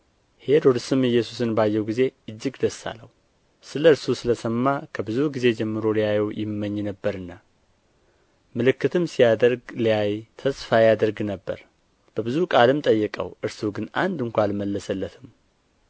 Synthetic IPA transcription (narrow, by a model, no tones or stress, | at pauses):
he̞d̪ɔɾsɨmɨjːɛsu̥sɨnbajːɛwɡize̞ɨd͡ʒːɪɡd̪əsːa̰lːəhu | sɨləɨɾsusɨləsəmːakʰəbɨzuɡize̞d͡ʒɛmːɨɾo̞lijajɛwjɪmːəɲːnəbːəɾɨnːa | mɨlɨkːɨt̪ʰɨmsijad̪əɾɡlijajt̪ʰəsfajad̪əɾɡnəbːə̰ɾ | b̥əbɨzukʼalɨmt̪ʼəjːɨkʼə̰wɨɾsuɡɨna̰nd̪ɨŋkʷalməlːəsəlːət̪ʰɨm